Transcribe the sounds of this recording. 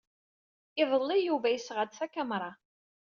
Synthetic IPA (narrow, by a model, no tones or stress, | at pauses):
ɪðˤəlˤːijuvæjəsʁəd̪sækæmɾˤɑ